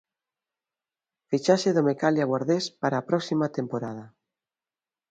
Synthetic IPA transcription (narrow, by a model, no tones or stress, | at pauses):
fit͡ʃaseðomekaljaɣwaɾðespaɾaːpɾɔksimat̪empoɾað̞a